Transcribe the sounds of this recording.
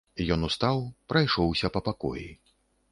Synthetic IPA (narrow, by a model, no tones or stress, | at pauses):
jɔnust̪awpɾajʂɔwsʲɐpɐpakɔ̰jḭ